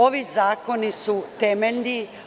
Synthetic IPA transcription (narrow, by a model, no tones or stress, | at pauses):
oʋizaːko̞nisut̪emeʎʲni